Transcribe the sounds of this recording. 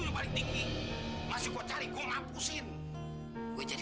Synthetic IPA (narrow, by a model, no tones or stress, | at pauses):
udupalɪŋt̪iŋɡimasikat͡ʃaɾikɔŋapusɪn | ɡuɛd͡ʒad